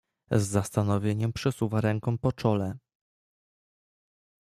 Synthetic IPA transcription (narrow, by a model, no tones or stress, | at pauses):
zːast̪anɔvʲjeɲɛmpʂɛsuvaɾɛŋkɔ̃w̃pɔt͡ʂɔlɛ